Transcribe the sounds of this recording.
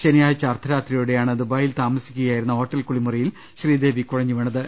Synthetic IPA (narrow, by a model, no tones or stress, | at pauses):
t͡ɕenɐjaːjt͡ɕːɐːrt̪ʰːɐɾaːt̪rijuɽe̞jaːɳɨd̪ubaːjilt̪aːmɐsi̥kʲːuɣɐjaːjiɾunːɐɦo̞ːʈːɐlkuɭimurɐjil | ɕriːd̪e̞ːʋikːuɻɐɲːuʋɐɳɐðɨ